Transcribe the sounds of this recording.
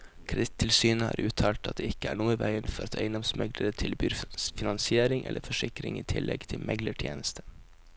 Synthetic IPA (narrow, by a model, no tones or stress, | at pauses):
kʰɾt̪ʰːɪlsyːnəhɑ̰ːɾʔʉːt̪ʰɑːlt̪ɑ̰t̪̚d̪eːɪkːəæːɳuːəʋæɪənfɔɾɑt̪ʰæɪnɔmsmɛɡləɾət̪ʰɪlbyːɾfɪnɑnsɪeːɾɪŋʔɛ̰lʔəfɔʂɪkɾɪ̰ŋiːt̪ʰɪlʔɛɡt̪ʰɪlmɛɡləʈʰjḛːnəst̪ʰə̥